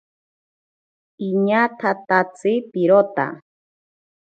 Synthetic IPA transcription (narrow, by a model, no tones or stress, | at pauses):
iɲat̪ʰat̪at͡sipiɾot̪a̰